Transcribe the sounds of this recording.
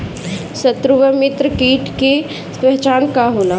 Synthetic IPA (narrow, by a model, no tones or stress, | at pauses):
sət̪ɾuʋəmɪt̪ɾəkiːʈʰke | pɛɦt͡ʃaːnkaɦoːla